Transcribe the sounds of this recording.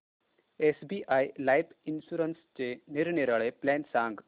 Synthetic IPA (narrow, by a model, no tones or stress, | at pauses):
esbiʔajlajpinɕuɾənst͡ɕeniɾniɾaɭeplɛnsãŋɡ